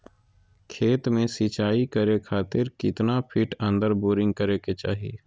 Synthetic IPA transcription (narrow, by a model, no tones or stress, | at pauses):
kʰeːt̪mẽsit͡ʃaːikəɾekʰaːt̪ɪɾkɪt̪napʰɪʈə̃nd̪əɾboːɾɪ̃ŋɡ̚kəɾeket͡ʃa̰ːɦie